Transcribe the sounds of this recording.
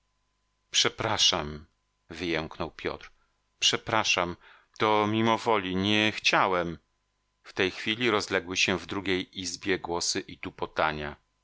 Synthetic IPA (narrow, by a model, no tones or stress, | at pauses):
pʂɛpɾaʂam | vɘjɛŋknɔwpʲjɔ̰t̪ɾ | pʂɛpɾaʂam | t̪ɔmʲimɔvɔlʲiɲɛxt͡ɕawɛm | ft̪ɛjxfʲilʲiɾɔzlɛɡwɘɕɛvd̪ɾuɡʲejizbʲjɛɡwɔsɘʔit̪upɔt̪aɲa